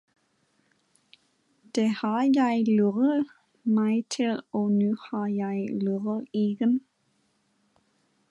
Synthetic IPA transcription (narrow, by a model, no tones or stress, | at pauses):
d̪̥ehɑːjæɪløʁəð | mæɪt̪ʰɪlɔːnʉːhɑːjæɪløʁəiːɡən